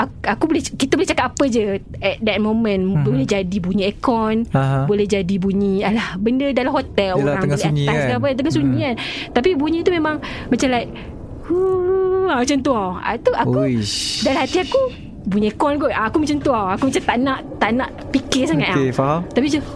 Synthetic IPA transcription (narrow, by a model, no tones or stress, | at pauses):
aakubolɛhkit̪abolɛht͡ʃakap̚apəd͡ʒə | ɛt̪̚dɛt̪̚mõmə̃nbolɛhd͡ʒadibuɲiɛkɔnãbolɛhd͡ʒadibuɲĩalahbəndədalamɦot̪ɛloaŋlɛaɲaakaap̬ət̪əŋasuɲĩkant̪ap̬ibuɲĩt̪umemãŋmat͡ʃamlaik̚ | hu | amat͡ʃant̪uawa̰t̪uʔakuidalãɦat̪iaku | buɲĩekɔnɡoʔaːkumat͡ʃant̪uawakumat͡ʃamt̪aʔnãʔt̪aʔnãʔ | pikɪsaŋat̪̚afaat̪apid͡ʒə